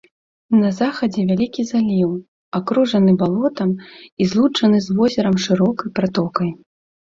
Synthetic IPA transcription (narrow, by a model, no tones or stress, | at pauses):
nɐzaxɐd͡zʲɛvʲalʲikʲizalʲiw | akɾuʐɐnɨbalˠɔt̪ɐmizlˠut͡ʂɐnɨzvɔzʲɛɾɐmʂɨɾɔkɐjpɾat̪ɔkɐj